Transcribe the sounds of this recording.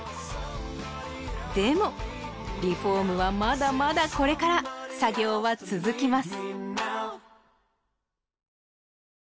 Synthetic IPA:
d̪e̞mo̞ | ɾʲiɸo̞ːmɯ̟βamad̪amad̪ako̞ɾe̞kaɾasaɡʲo̞ːβat͡sɨzɨkʲimasɨ̥

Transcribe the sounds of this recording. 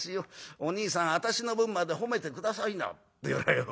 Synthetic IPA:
iooɲ̟iːsãɰ̃at̪aɕino̞bɯ̟̃mːad̪e̞ɦo̞me̞t̪e̞kɯ̟d̪asaina̰t̪ːejoɾajo

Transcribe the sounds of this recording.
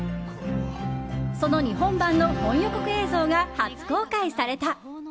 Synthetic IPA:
so̞no̞ɲ̟iɦõ̞mbãnːo̞hõ̞ɰ̃jokokɯ̟e̞ːzo̞ːɡahat͡sɨ̥ko̞ːkaisaɾe̞t̪a

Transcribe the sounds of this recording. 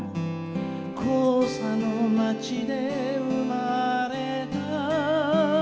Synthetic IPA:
kʰosanomat͡ɕid̪e̞ɯmaɾet̪a

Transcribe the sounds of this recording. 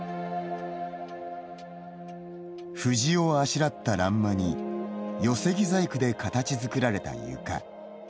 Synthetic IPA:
ɸɯ̟ʑio̞aɕiɾat̪ːaɾãmːaɲ̟ijo̞se̞ɡʲizaikɯ̟d̪e̞kat̪at͡ɕizɨkɯ̟ɾaɾe̞t̪a̰jɯ̟̰ka̰

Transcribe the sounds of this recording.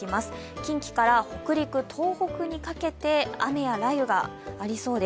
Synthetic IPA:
imasɨ̥kʲĩŋkʲi̥kaɾaho̞kɯ̟ɾʲikɯ̟t̪ʰo̞ːho̞kɯ̟ɲ̟ikake̞t̪e̞a̰me̞jaɾaiɯ̟ɡa̰ːɾʲiso̞ːd̪e

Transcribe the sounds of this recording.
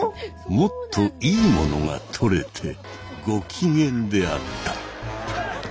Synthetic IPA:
mo̞t̪ʰːo̞iːmo̞no̞ŋa̰t̪ʰo̞ɾe̞t̪ʰe̞ | ɡo̞kʲʰiŋẽ̞nd̪e̞a̰t̪ːḁ

